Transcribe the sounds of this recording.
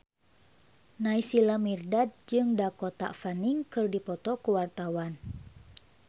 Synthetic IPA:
naisilamirdad̪̚d͡ʒɨŋdakɔt̪a̰faniŋkɨrdipɔt̪ɔkuwart̪awan

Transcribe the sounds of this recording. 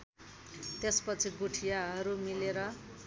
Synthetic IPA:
t̪espʌt͡sʰiɡuʈʰijaɦʌɾumileɾʌ

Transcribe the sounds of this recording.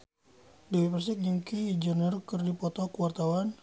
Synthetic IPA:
diwipərsik̚ɲuŋkid͡ʒənərkɨrdipɔt̪ɔkəwart̪awan

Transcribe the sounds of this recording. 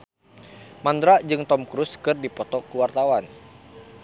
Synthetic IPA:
mandɾad͡ʒɨŋt̪ɔmkɾuskɨrdipɔt̪ɔkuwart̪awan

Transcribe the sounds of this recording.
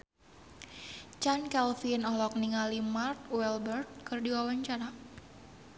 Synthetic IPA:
t͡ʃankɛlfinɔlɔk̚niŋalimart̪̚wɛlbɛrt̪̚kɨrdiwawaɲt͡ʃaɾa

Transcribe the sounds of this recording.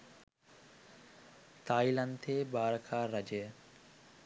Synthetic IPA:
t̪aːjilɐnt̪ʰeːbaːɾɐkʰaːɾɐd͡ʒɐjə

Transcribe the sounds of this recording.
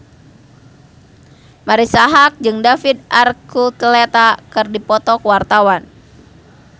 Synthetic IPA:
maɾisaɦak̚d͡ʒɨŋdafid̪̚arkut̪lɛt̪akɨrdipɔt̪ɔkəwart̪awan

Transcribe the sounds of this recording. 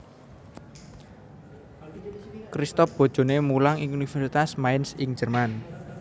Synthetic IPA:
kɾist̪ɔfb̥o̤̥ʒ̥o̤nemulaŋɪŋunifərsit̪asmaɪnsɪŋ̥d͡ʒə̤rman

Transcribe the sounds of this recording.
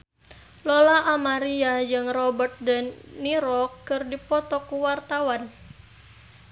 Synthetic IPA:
lɔlaʔamaɾiad͡ʒɨŋrɔbərt̪̚dɛnːiɾɔkːɨrdipɔt̪ɔkuwart̪awan

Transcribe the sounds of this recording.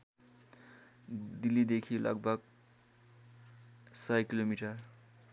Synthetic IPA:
d̪ilːid̪ekʰilʔʌ̰ɡ̚bʱʌɡ̚ | sʌjkilomiʈʌr

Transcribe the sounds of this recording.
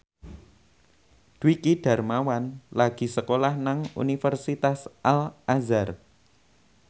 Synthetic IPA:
d̪̥wikiɖ̥a̤rmawanlaɡ̥i̤səkolahnaŋṵnifərsit̪asʔalʔazar

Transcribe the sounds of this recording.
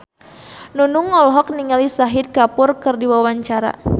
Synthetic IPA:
nunuŋɔlɦɔk̚niŋalisaɦid̪̚kapʊrkɨrdiwawaɲt͡ʃaɾa̰

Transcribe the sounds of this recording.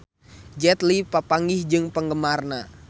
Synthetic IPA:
d͡ʒɛt̪lipəpaŋɪhd͡ʒɨŋpəŋɡəmarna

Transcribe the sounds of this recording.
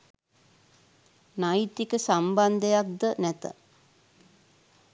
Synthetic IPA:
najit̪ikəsamband̪əjak̚d̪ənæt̪ə̰

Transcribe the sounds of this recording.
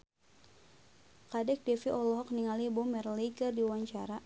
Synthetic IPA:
kadɛk̚dɛfiʔɔlɔɦɔk̚niŋalibɔmɛrlikərdiwaɲt͡ʃaɾa

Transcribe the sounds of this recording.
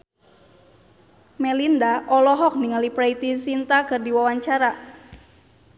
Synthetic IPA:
mɛlindaʔɔlɔɦɔk̚niŋalipɾait̪isint̪akɨrdiwawaɲt͡ʃaɾa

